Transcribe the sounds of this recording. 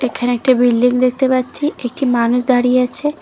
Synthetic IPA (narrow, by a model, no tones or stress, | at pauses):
ekʰaneek̚ʈibilɖiŋd̪ek̚ʰt̪epatːt͡ɕʰiek̚ʈimanuʃd̪aɾijeat͡ɕʰe